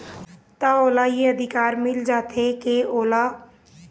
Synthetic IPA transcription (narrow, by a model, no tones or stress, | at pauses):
t̪aoːlajeəd̪ʱɪkaːɾmɪld͡ʒaːt̪ʰekeoːla